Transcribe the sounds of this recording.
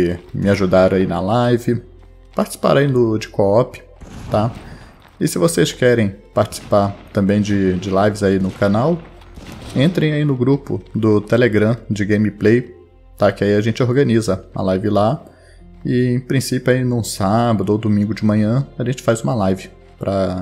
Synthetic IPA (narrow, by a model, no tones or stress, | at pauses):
ɪmɪaʒud̪aɾɐ̃ainɐ̰lajvɪ | paɾt͡ʃɪ̥si̥pa̰ɾainʊd͡ʒɪkoɔpɪ̥ | t̪a | ɪsɪvoseskɛɾẽj̃paɾt͡ʃɪ̥si̥paɾt̪ɐ̃mbẽj̃d͡ʒɪd͡ʒɪlajvɪzainʊkanaw | ẽnt̪ɾẽj̃ainʊɡɾupʊ̰d̪ʊt̪eleɡɾɐ̃d͡ʒɪɡẽj̃mɪplej | t̪akɪaiaʒẽnt͡ʃɪoɾɡɐ̃nizɐũmɐ̰lajvɪla | ɪẽj̃pɾĩsipjʊainũsabɐd̪ʊowd̪umĩŋɡʊd͡ʒɪmɐ̃ɲɐ̃aʒẽnt͡ʃɪ̥fajzũmɐlajvɪ | pɾʔɐ